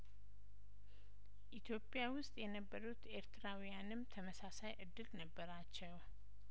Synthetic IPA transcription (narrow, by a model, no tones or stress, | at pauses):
ʔit̪ʰjo̞pʼːjawʊst̪ʼjɛnəbːəɾut̪e̞ɾt̪ʰɨɾawijanɨmt̪ʰəməsasajʔɨd̪ːɨlnəbːəɾat͡ʃːɛw